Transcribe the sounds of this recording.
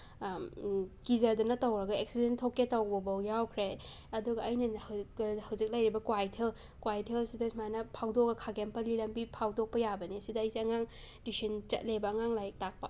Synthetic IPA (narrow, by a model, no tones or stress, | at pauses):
kizɐɾdunɐtɐwɾɐɡɐek̚sidentʰokːetɐwbɐbɐwjawkʰɾeɐduɡɐɐjnɐnhɐhɐwzik̚lɐjɾibɐkwajtʰel | kwajtʰelsidɐsmajnɐpʰawdok̚ɐkʰaɡempɐlilɐmbipʰawdok̚pɐjabɐniɐsidɐɐjsiɐŋaŋ | disint͡ʃɐ̰t̚lebɐːŋaŋlajtak̚pɐ̰